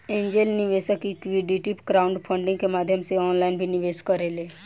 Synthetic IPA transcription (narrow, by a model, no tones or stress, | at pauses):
ẽːɲd͡ʒelnɪʋeːsəkikʋiɖiʈipɡɾaʊ̃ɳɖpʰə̃ɳɖɪ̃ŋɡkemaːd̪ʱjəmseɔːnlaːɪnbʱinɪʋeːskəɾeːleː